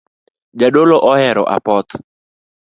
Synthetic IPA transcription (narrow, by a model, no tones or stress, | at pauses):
d͡ʒaɗoloʔɔhɛɾɔ̰ʔa̰pɔt̪